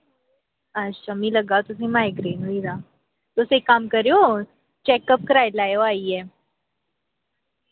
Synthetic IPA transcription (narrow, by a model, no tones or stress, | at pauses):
əɕʰamiːləɡawt̪us̬ẽmajɡɾenuiɾa | t̪osekːamkəɾjo | t͡ɕɛkəp̚kəɾajlajoaije